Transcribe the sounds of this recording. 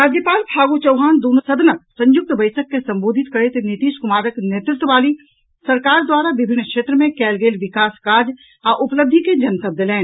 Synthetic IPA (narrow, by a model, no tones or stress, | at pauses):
ɾaːd͡ʒjəpaːlpʰaːɡut͡ʃəʊɦaːnd̪uːnsɐd̪nəksə̃ɲjʊk̚t̪bɐɪsəkːesɐ̃mboːd̪ʱɪt̪kɐɽet̪enɪt̪iːʃkʊmaːɾəkneːt̪ɾɪt̪əʋaːli | sɐɾkaːɾd̪waːɾaʋɪbʱɪnːkʃeːt̪ɾəmẽkɛːlɡeːlʋɪkaːskaːd͡ʒ | aːʔʊpləb̚d̪ʱiked͡ʒɐnt̪əb̚d̪əlɛ̃ːn